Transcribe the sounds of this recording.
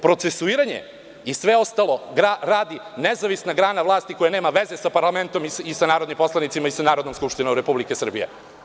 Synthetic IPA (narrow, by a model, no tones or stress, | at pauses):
pɾot̪se̞suiːɾaɲḛ | isʋe̞o̞st̪alo̞ɡɾaɾaːd̪i | nezaʋisnaɡɾaːnaʋlˠaːst̪iko̞janeːmaʋeze̞sapaɾlˠament̪o̞miisanaːɾo̞d̪nimpo̞slˠanit̪simaisanaːɾod̪nomskupʃt̪inomuɾepublikesr̩bije̞̰